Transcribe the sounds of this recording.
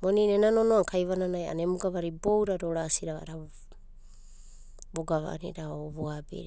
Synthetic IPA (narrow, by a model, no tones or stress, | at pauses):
moninenanonoaŋkʰajβananaja̰nemuɡaβaɾibowɾaɾoɾasiɾaβa̰ɾa | boɡaβa̰a̰niɾaoβoabḛɾ